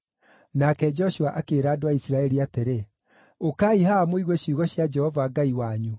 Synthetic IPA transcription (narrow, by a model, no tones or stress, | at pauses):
nakɛd͡ʒɔʃuaʔakeːɾaːdoaisiɾaɛɾiateɾe | okaːihaːmoiɣweɕiɣɔɕjad͡ʒɛhɔvaːɡaiwaɲu